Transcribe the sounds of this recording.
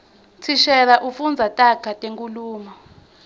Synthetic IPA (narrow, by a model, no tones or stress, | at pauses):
t͡sʰiʃɛlaʔufund͡zʱatʼaɡ̥ʰʱatʼeŋkʼuluːmɔ